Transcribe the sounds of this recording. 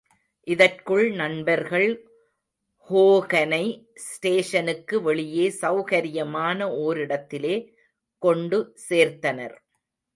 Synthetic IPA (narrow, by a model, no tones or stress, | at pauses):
ʔɪðɐrkɯɭnɐɳbɐɾɣɐɭ | hoːɣɐnɐɪsʈeːʂɐnɯkːɯʋɛɭɪjeːsɐʊɣɐɾɪjɐmaːnɐoːɾɪɽɐt̪ːɪleː | kɔɳɖɯseːɾt̪ɐnɐ̰ɾ